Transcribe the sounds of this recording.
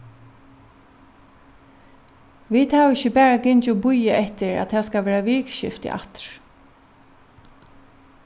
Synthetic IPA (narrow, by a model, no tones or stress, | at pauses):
ʋiːd̪haːʋɪçəbɛːɹaɡɪɲt͡ʃʊbʊjəʔɛt̪ɪɹæ̰t̪t̪ʰɛːskaʋɛːɹaʋɪːkʃɪ̰ft̪ɪ̰ʔa̰t̪ɹ̥